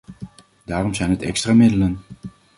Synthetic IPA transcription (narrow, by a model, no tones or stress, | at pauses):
daːrɔmzɛjnɦətɛ̰kstraːmɪdələn